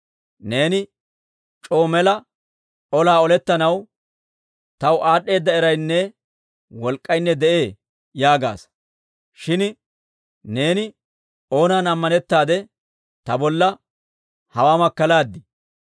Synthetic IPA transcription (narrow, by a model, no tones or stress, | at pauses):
ne̞ːnɪ | t͡ʃʼo̞ːmɛlɐ | ɔlaːɔlɛt̪ːɐnɐw | t̪ɐwʔaːɗːe̞ːd̪ːɐɛɾɐjnːɛ | wɔlkʼːɐjnːɛd̪ɛʔe̞ː | jaːɡa̰ːs | ʃɪn | ne̞ːnɪ | o̞ːnaːnɐmːɐnɛt̪ːaːd̪ɛ | t̪ɐbɔlːɐ | hɐwaːmɐkːɐlaːd̪ːɪ